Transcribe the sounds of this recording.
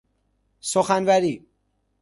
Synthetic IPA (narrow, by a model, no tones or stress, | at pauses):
soxænvæɾiː